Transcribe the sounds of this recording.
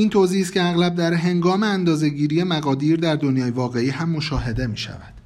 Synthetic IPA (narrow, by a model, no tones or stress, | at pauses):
iːnt̪ʰoziːs̬t̪cʰe̞æɣlæb̚d̪æɾɦe̞ŋɡɒːmeænd̪ɒːze̞ɟiːɾije̞mæɣɒːd̪iːɾd̪æɾd̪onjɒːjevɒːɣe̞iːɦæmːo̞ʃɒːɦe̞d̪e̞miːʃæ̰væd̪̥